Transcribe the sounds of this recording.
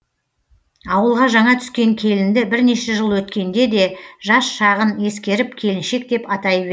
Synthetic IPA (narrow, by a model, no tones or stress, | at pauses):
ɑwəlˠʁɑʒɑɴɑt̪ʰʏ̥skʲe̞ŋkʲʰe̞lɪnd̪ɪbɪɾne̞ʃeʒəlˠwɵt̪kʲe̞nd̪e̞d̪e̞ʒɑsʃɑʁəne̞skʲe̞ɾɪp̚kʲʰe̞lɪnʃe̞k̚d̪e̞pɑt̪ɑjβe